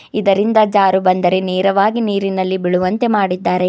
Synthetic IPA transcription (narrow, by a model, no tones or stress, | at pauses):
id̪ɐɾind̪ɐd͡ʒaːɾubɐnd̪ɐɾe̞neːɾɐʋaːɡiniːɾinɐlːibiɭuʋɐnt̪e̞maːɽid̪ːaːɾe̞